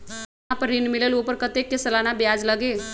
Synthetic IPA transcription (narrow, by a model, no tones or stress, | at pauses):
apəɾinmilelopəɾkət̪ek̚ːesəlanabjad͡zləɡe